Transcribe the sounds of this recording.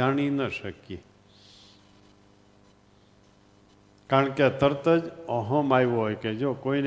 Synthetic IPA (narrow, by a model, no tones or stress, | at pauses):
aɽ̃inəʃəki | kaɾəɳket̪ʰəɾt̪əd͡ʒə̃ɦə̃majʋoɦojked͡ʒokoin